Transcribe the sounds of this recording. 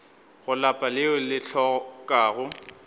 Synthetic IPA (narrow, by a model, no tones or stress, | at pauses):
ɣʊlapʼalɪʊlɪɬʰɔkʼaːɣʊ